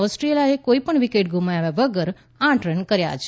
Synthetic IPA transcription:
ɔsʈɾiljaekoipəɳʋikeʈɡʱumajaʋaʋəɡəɾ | ãʈɾenkəɾja̰t͡ʃʰ

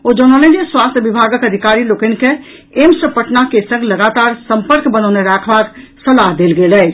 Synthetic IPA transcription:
od͡ʒənaləniswast̪ʰbibʱaɡəkəd̪ʱikaɾilokənke | emsəpəʈnakesə̃ŋɡləɡat̪aɾsəmpəɾkbənəʊneɾakʰbaksəlaɦd̪elɡelɛ

